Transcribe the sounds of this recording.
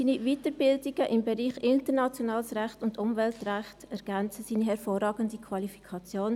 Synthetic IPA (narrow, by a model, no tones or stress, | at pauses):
siːnivitəɾbɪldɪɡ̥əʔɪmbɛɾiːχɪntəɾnɑt͡sjonɑːlsɾæχtʊndʊmvɛltræχtɛɾɡ̥ænt͡səsiːniɦɛɾfoːrɑːɡəndikʰʋɑlifi̥kʰɑt͡sjoːn